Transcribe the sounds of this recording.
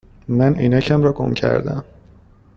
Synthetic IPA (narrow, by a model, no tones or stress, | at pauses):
mæniːnæcʰæmɾɒːɡo̰mcʰæ̰ɾd̪æ̰m